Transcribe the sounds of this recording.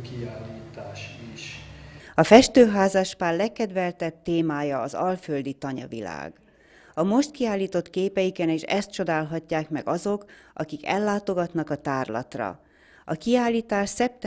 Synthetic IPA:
kiaːlːiːt̪aːʃiʃ | ɒfɛʃt̪øːɦaːzɒʃpaːrlɛkːɛd̪ʋɛlt̪ɛb̚t̪eːmaːjɒːzɒlføld̪it̪ɒɲɒ̰vḭla̰ːɡ̥ | ɒmo̞ʃt̪̚kiaːlːiːt̪o̞t̪keːpɛjikɛneːʃɛ̰st̪̚t͡ʃo̞d̪aːlɦɒcːaːkmɛ̰ɡɒzo̞kʔɒkikɛlːaːt̪o̞ɡɒt̪nɒkɒt̪aːrlɒ̰t̪rɒ̰ | ɒkiaːlːiːt̪aːʃsɛp̚t̪

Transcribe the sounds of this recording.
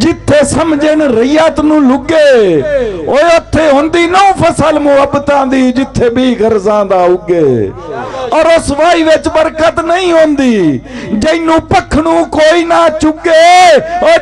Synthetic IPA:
d͡ʒɪt̪ʰːeːsəmd͡ʒəɳɾəijaːt̪nũːlʊɡeː | oːeʊt̪ʰːeːɦõːnd̪iːnəũːpʰəsəlmʊɦəbət̪ãːd̪iːd͡ʒɪt̪ʰːeːbiːɡəɾzãːd̪aːʊɡeː | ɔːɾʊsʋaːiːʋɪt͡ʃbəɾkət̪nəĩːɦõːnd̪iːd͡ʒəɪnũːpəkʰɳũːkoːiːnaːt͡ʃʊɡeːɔː

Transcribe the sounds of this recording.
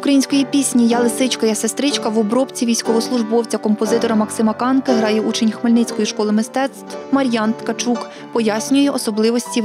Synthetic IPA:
ukɾɐjinʲsʲkɔjipʲisʲnʲijɑlˠɪsɪt͡ʃkɐjasest̪ɾɪt͡ʃkɐʋɔbɾɔpt͡sʲiʋʲijsʲkɔɦɔslˠʊʒbɔwt͡sʲɐkɔmpɔzɪt̪ɔɾɐmɐksɪmɐkɑnkɪɦɾɑjɛut͡ʃenʲxmelʲnɪt͡sʲkɔjiʃkɔlˠɪmɪst̪ɛt̪st̪mɐɾʲjɑnt̪kɐt͡ʃuk | pɔjasʲnʲʊjɛʔɔsɔblˠɪʋɔsʲtʲi

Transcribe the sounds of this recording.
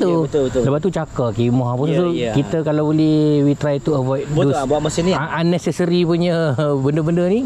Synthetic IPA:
t̪uəbət̪ləpat̪ːut͡ʃakakimɔɦapunut̪ukit̪əkalabolɛhwit̪ɾajt̪uəvɔjt̪̚ubaʔmasiniaʔanːɛsɛsəɾipuɲə̃bəndəbəndənĩ

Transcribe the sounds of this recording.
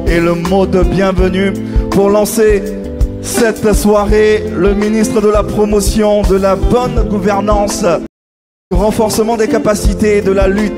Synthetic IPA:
eləmod̪əbjɛ̃vəny | puʁlɑ̃se | sɛt̪swaʁeləminist̪χəd̪əlapχɔmɔsjɔ̃d̪əlabɔnɡuvɛʁnɑ̃s | ʁɑ̃fɔʁsəmɑ̃d̪ekapasit̪ed̪əlalyt̪

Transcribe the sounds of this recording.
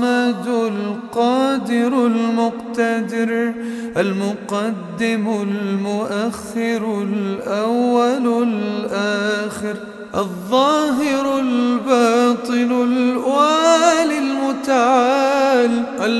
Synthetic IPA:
mad̪ʊlqɑːd̪ɪɾlmʊqt̪ad̪ɪɾʔalmʊqɑd̪ːɪmlmʊʔaxːɪɾlʔawːallʔaːxɪɾ | ʔɑðˤːɑːɦɪɾʊlbɑːt̪ˤɨlʊlʔwaːlɪlmʊt̪aʕaaːlʔal

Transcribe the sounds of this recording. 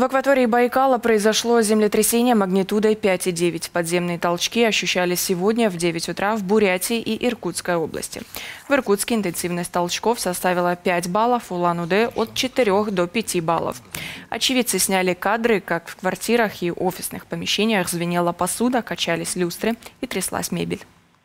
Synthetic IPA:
vəkvɐt̪o̞ɾʲɪːbɐjɪkalˠəpɾəɪzɐʂlˠozʲɪmlʲɪt̪ɾʲɪsʲenʲɪjəməɡnʲɪt̪ud̪əpʲætʲɪdʲevʲɪtʲpɐd̪zʲe̞mnɨjət̪ɐlˠt͡ɕkʲiɐɕːʉɕːælʲɪsʲːɪvo̞dʲnʲəvdʲevʲɪtʲʊt̪ɾʔavbʊɾʲætʲɪʔiʔɪrkut̪skəjo̞blˠə̰sʲtʲɪ̰vɨrkut̪skʲɪɪnt̪ɨnsʲivnəsʲtʲt̪ɐlˠt͡ɕko̞fsɐst̪avʲɪlˠəpʲætʲbalˠəfʊlˠanʊd̪ɛʔot̪̚t͡ɕɪt̪ɪɾʲo̞xd̪o̞pʲɪtʲiba̰lˠə̰fɐ̰t͡ɕɪvʲit̪sɨsʲnʲælʲɪkad̪ɾɨkakfkvɐrtʲiɾəxiʔofʲɪsnɨxpəmʲɪɕːenʲɪjəxzvʲɪnʲelˠəpɐsud̪əkɐt͡ɕælʲɪsʲlʲust̪ɾɨit̪ɾʲɪslˠa̰sʲmʲḛbʲɪlʲ

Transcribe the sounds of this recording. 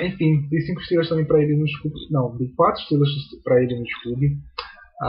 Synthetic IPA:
ẽfĩd̪ẽjsĩkʊ̥i̥ʃt̪ɾelɐst̪ɐ̃mẽj̃pɾɐelinud͡ʒklubɪnɐ̃w̃d̪ẽjkwat̪ɾʊiʃt̪ɾelɐspɾɐelɪnut͡ʃi̥klubɪ

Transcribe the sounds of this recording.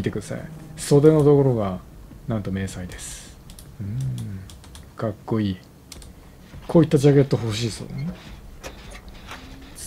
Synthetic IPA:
it̪e̞kɯ̟d̪asa̰ḭso̞d̪e̞no̞d̪o̞ko̞ɾo̞ɡanãnt̪o̞me̞ːsaid̪e̞sɨ̥ɯ̟̃ | kakːo̞iː | kʰoːit̪ːad͡ʑaɡe̞t̪ːoɦo̞ɕiːso̰ːd̪ene

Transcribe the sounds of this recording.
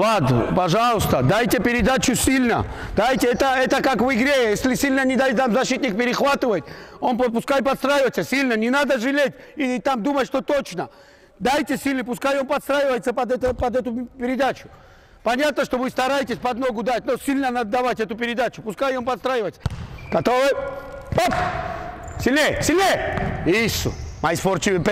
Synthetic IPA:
lˠad̪nəpɐʐalˠəst̪əd̪ajtʲɪpʲɪɾʲɪd̪at͡ɕʊsʲilʲnə̰d̪ajtʲɪɛt̪əɛt̪əkakvɨɡɾʲejesʲlʲɪsʲilʲnənʲɪd̪ajtʲt̪amzɐɕit̪nʲɪk̚pʲɪɾʲɪxvat̪ɨvəjtʲonppʊskajpɐt̪st̪ɾajɪvəjt̪ʲsʲəsʲilʲnənʲɪnad̪əʐɨlʲetʲit̪amd̪umətʲʂt̪o̞t̪ot͡ɕnə | d̪ajtʲɪsʲilʲnəpʊskajonpɐt̪st̪ɾajɪvəjt̪səpɐd̪ɛt̪əpɐd̪ɛt̪ʊpʲɪɾʲɪd̪at͡ɕʊ̥ | pɐnʲat̪̚nəʂt̪o̞vɨst̪ɐɾajtʲɪsʲpɐd̪no̞ɡʊd̪atʲnosʲilʲnənɐd̪ːɐvatʲɛt̪ʊpʲɪɾʲɪd̪at͡ɕʊpʊskajompɐt̪st̪ɾajɪvətʲɡ̥ɐt̪ovɨpop | sʲɪlʲesʲɪlʲeisʊ̰mɐjsport͡ɕɪʊp

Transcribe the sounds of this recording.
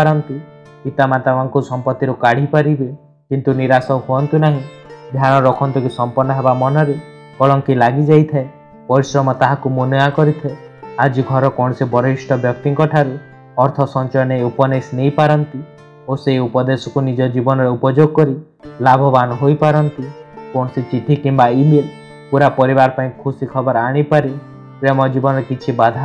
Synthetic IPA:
aɾɔnt̪i | it̪amat̪awaŋkusɔmpɔt̪ːiɾukaɽ̤ipaɾibe | kint̪uniɾasɔhuɔnt̪inaɦĩ | d̪ʱaɽ̃ɔɾɔkʰɔnt̪ikusɔmpɔnːɔɦebamɔnɔɾe | kɔɭɔŋkilaɡid͡ʒajt̪ʰae | pɔɾisɾɔmɔt̪aɦakumunakɔɾit̪ʰɔe | ad͡ʒiɡʱɔɾɔkɔɽ̃ɔsebɔɾisʈɔbjɔk̚t̪iŋkɔʈʰaɾu | ɔɾt̪ʰɔsɔnt͡ʃɔjɔnejupɔnesnejpaɾɔnt̪i | oseiupɔd̪esɔkunid͡ʒɔd͡ʒibɔnɔɾeupɔd͡ʒoɡɔkɔɾi | labʱɔbanɔɦojpaɾɔnt̪ikɔɽ̃ɔsit͡ʃiʈʰikimbaile | puɾapɔɾibaɾɔpaĩkʰusikʰɔbɔɾaɽ̃ipaɾi | pɾemɔd͡ʒibɔnɔɾekit͡ʃʰibad̪ʱa

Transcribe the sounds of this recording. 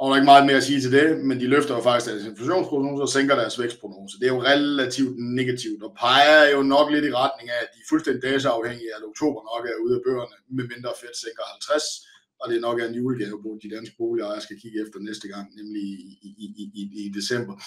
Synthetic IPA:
ɒdɾɑ̈e̝ɡ̥mɑ̈ːð̩ˠme̝ɐæsiːt͡sʰe̝ld̥e̝mend̥iløfd̥ɐjo̝fɑ̈ɡ̥isɡ̥d̥æɐse̝nflæɕo̝̰ːnspʰʁono̝ːsseŋ̰ɡ̥ɐɾæɐsʋeɡ̥spʰʁono̝ːsəd̥e̝æɐjo̝ʁɛlæt͡sʰiʊ̰d̥ne̝ɡ̥æt͡sʰiʊd̥ɒpʰɑ̈ɪɐjo̝nɒ̽ɡ̥le̝ɾiʁɑ̈d̥ne̝ŋææd̥iæfulsd̥end̥id̥ɛːs̬əɑ̈ʊheŋ̰iædoɡ̥̚t͡sʰo̝̰ːb̥ɐnɒ̽ɡ̥æɐuð̞̩ˠæb̥ø̰ːɐnəmeme̝nd̥ʁɐːfed̥seŋɡ̥ɐhælt͡sʰʁɛs | ɒ̽d̥e̝nɒ̽ɡ̥æɐnd̥iuɡ̥ʰenbʰod̥id̥ænsɡ̥əb̥o̝ːliɒjɑ̈sɡ̥ækʰiɡ̥əefd̥ɐnesd̥əɡ̥ɑ̈ŋ̰nemli | id̥e̝sem̰b̥ɐ

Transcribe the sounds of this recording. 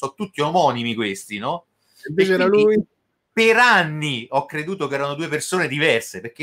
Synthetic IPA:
sɔt̪ːut̪ːiomɔːnimikwest̪inɔ | ep̪t͡ʃɛɾaluj | peɾanːiɔkːɾed̪uːt̪ok̬ɛːɾanod̪uːepersoːned̪ivɛrseperk̟e

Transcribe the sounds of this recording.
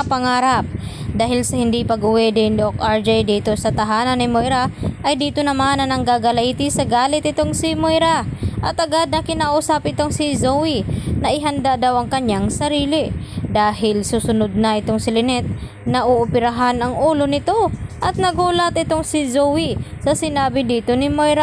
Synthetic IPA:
pɐŋaːɾap̚ | d̪aːɦɪlsɐhɪnd̪ipɐɡʊwɛd̪ɪnd̪okʔaɹd͡ʒɛjd̪iːt̪o̞sɐt̪ɐɦaːnɐnːɪmojɾaʔɐjd̪iːt̪onɐmanɐnɐŋɡaɡɐlɐʔiːt̪ɪsɐɡaːlɪt̪̚ɪt̪oŋsɪmojɾaʔɐt̪ɐɡad̪̚nɐkɪnaʔuːsapʔɪt̪oŋsɪzowinɐʔɪɦɐnd̪ad̪awʔɐŋkɐɲaŋsɐɾiːlɪd̪aːɦɪlsuːsʊnod̪̚nɐʔɪt̪o̞ŋsɪlɪnɛt̪̚ | nɐʔoʔʊpɪɾɐɦanɐŋʔuːlo̞nɪt̪o̞ʔɐt̪̚nɐɡuːlɐt̪ʔɪt̪oŋsɪzowisɐsɪnaːbɪd̪iːt̪o̞nɪmojɾa

